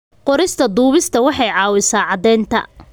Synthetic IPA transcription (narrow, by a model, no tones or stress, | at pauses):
qɔɾɪst̪ʰɐd̪uːβɪst̪ʰɐwɑħɑjʕɑːwɪsaːʕɑd̪ɛːnt̪ʰɐ̰